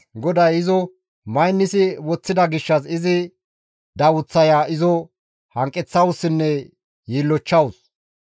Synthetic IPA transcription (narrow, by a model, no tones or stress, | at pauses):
ɡɔd̪ɐjɪzɔ | mɐjnːɪsɪwɔt͡sːɪd̪ɐɡɪʃːɐsɪzɪ | d̪ɐwʊt͡sːɐjaːʔɪzɔ | hɐŋkʼːɛt͡sːɐwʊsːɪnːɛ | jiːlːɔt͡ʃːɐwʊs